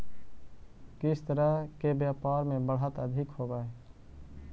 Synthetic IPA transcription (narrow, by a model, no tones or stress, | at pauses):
kɪst̪əɾəɦkebjaːpaːɾmẽbəɽət̪əd̪ʱɪkɦoːbaːɛ